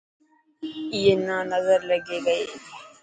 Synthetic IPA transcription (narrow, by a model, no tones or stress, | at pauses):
ɪjenãːnəzəɾləɡeːɡɐeː